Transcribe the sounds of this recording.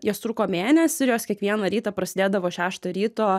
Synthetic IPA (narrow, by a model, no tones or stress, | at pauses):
joːst̪ɾuːkoːmʲeːnʲɛsʲɪjoːskʲiɛkʋʲiɛnɐɾʲiːt̪ɐpɾɐsʲɪd̪eːd̪ɐʋoːʃʲæːʃt̪oːɾʲiːt̪oː